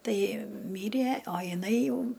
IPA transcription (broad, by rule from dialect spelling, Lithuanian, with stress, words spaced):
ˈtɐɪ ˈmʲiːrʲiɛ oː jɪˈnɐɪ ˈjɛʊ